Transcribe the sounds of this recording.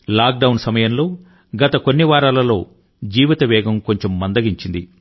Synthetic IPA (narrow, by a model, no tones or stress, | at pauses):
laːk̚ɖɐwnsɐmɐjɐmlo̞ː | ɡɐt̪ɐko̞nːiʋaːɾaːlɐlo̞ː | d͡ʒiːʋit̪ɐʋɛːɡɐmko̞ɲt͡ʃe̞mːɐnd̪ɐɡiɲt͡ʃind̪i